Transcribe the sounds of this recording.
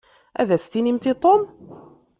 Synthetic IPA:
ʔæ̰ðæst̪inimt̪it̪ˤom

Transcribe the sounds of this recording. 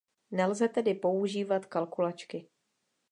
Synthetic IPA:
nɛlzɛt̪ɛdɪpo̞uʒiːvat̪kalkulat͡ʃkɪ

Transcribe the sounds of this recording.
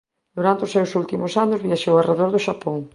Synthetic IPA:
d̪uɾant̪eoʊsewsult̪imʊsanʊzβiaʃowareðoɾðʊʃapoŋ

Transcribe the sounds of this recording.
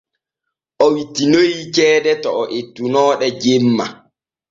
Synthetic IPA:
ʔɔwitːinojikɛːdɛtɔːʔetːunɔːɗɛd͡ʒemːa

